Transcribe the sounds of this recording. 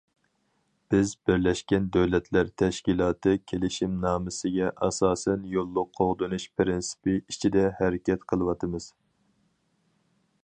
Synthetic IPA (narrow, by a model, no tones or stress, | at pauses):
b̥ɪzbɪɾlɛʃkʲɛnd̪øwlɛt̪ʰlæɾt̪ʰɛʃkʲilˠɑːt̪ʰɨkʲʰelɪʃimnɑːmɨsɨɡʲɛʔɑsɑːsɛnjolˠːʊqʰːoʁd̪ɨnuʃpʰɾɪnsɨ̥pɪit͡ʃʰid̪ɛhɛɾɪkʲɛt̪qʰəlˠɨwɑt̪ʰɨmɨz̥